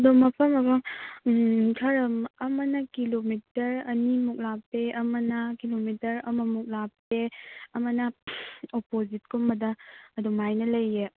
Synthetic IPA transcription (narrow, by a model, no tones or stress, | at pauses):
ɐdomːɐpʰɐmːɐpʰɐm | kʰɐɾɐmɐmɐnɐkilomitɐɾɐnimuk̚lapeʔɐmɐnɐkilomitɐɾɐmɐmuk̚lapeɐmɐnɐopozit̚kʰumːɐdɐɐdomajnɐlɐje